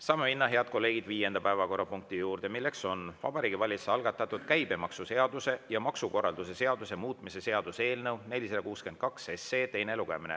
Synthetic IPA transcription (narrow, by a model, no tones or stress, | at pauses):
sɑːmeminːɑɦe̞ɑd̪̚ko̞lːe̞ːɡid̪viːje̞nd̪̥ɑpæevɑko̞rːɑpuŋk̚t̪ijuːrd̪e̞milːe̞kso̞nvɑ̰b̥ɑɾiːɡ̥ivɑlʲiseɑlɡ̥ɑt̪ːˑɑt̪ːˑud̪̥kæjb̥e̞mɑksuse̞ɑd̪̥use̞jɑmɑksuko̞rːɑld̪̥use̞se̞ɑd̪use̞muːt̪ˑmise̞se̞ɑd̪̥use̞ːlnɤwne̞lʲiselɑkuːske̞nd̪̥̚kɑksese̞ːt̪e̞jne̞luɡ̥e̞̰mine